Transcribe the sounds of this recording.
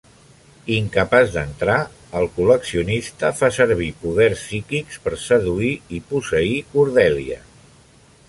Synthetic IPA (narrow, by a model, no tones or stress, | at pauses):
iŋkəpazd̪ənt̪ɾa | əlˠkuləksiunist̪əfasəɾβ̞ipuðɛrsːikikspəɾsəðuiipusəikuɾðɛliə̰